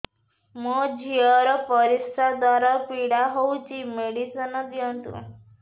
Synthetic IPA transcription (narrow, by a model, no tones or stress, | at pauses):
mɔd͡ʑʱiɔɾɔpəɾisɾad̪waɾapiɽaɦout͡ʃimeɽisənɔd̪iənt̪ṵ